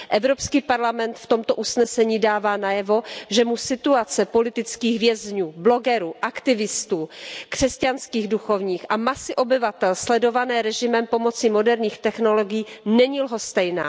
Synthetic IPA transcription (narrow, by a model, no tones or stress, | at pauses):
ʔɛvɾopskiːpaɾlamɛnt̪ft̪o̞mt̪oʔusnɛsɛɲiːdaːvaːnajɛvo̞ʒɛmusɪt̪uat͡sɛpo̞lɪt̪ɪt͡skiːxvjɛzɲuːblo̞ɡɛɾuːʔakt̪ɪvɪst̪uːkr̥ɛscanskiːɣduxo̞vɲiːxʔamasɪʔo̞bɪvat̪ɛlslɛdo̞vanɛːɾɛʒɪmɛmpo̞mo̞t͡simo̞dɛɾɲiːxt̪ɛxno̞lo̞ɡɪjiːnɛɲilɦo̞st̪ɛjna̰ː